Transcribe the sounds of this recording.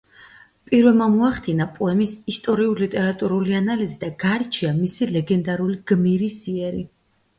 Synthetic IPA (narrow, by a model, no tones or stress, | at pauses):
pʼiɾvɛlmamuaχd̪ʰinapʼɔɛmisist̪ʼɔɾiuɾlit̪ʼɛɾat̪ʼuɾulianalizid̪aɡaɾt͡ʃʰiamisilɛɡɛnd̪aɾuliɡ̥miɾisiɛɾi